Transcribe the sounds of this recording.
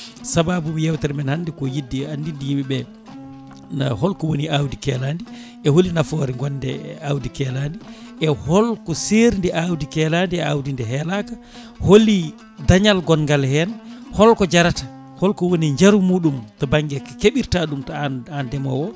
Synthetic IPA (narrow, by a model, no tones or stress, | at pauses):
sababumjɛwtaɾmɛnhandikɔjidːiandindːijimiɓɛ | na̰hɔlkɔwoniʔawdikɛːlandi | ɛholinafɔːɾiŋɡɔnːdɛ̰awdikɛlandiʔɛhɔlkɔseɾindɛʔawdikɛlandiɛawdindɛɦɛlaka | holi | daɲalɡɔnɡalhɛnhɔlkɔd͡ʒaɾatḁ | hɔlkɔwoniɲd͡ʒaɾumuːɗumtɔbaŋɡɛkakeɓiɾtaɗumtaandɛmɔ̰wɔ